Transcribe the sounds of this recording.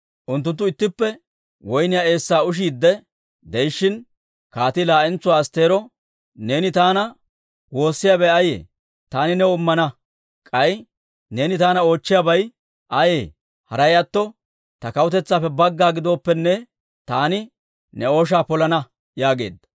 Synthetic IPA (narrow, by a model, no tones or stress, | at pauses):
ʔʊnt̪ːʊnt̪ːʊɪt̪ːɪpːɛ | wɔjnɪjae̞ːsːaːʊʃ̬iːd̪ːɛ | d̪ɛjɪʃːɪn | kaːt̪ɪlaːʔɛnt͡sʊwaːɐst̪e̞ːɾɔ | ne̞ːnɪt̪aːnɐ | wo̞ːsːɪjaːbɛjɐjḛː | t̪aːnɪnɛʊmːɐnɐ | kʼɐj | ne̞ːnɪt̪aːnɐo̞ːt͡ʃːɪjaːbɐj | ʔɐjeː | hɐɾɐjɐt̪ːɔ | t̪ɐkɐwʊt̪ɛt͡sːaːpːɛbɐɡːaːɡɪd̪o̞ːpːɛnːɛ | t̪aːnɪ | nɛo̞ːʃ̬aːpɔlɐnɐ | jaːɡe̞̰ːd̪ːɐ̥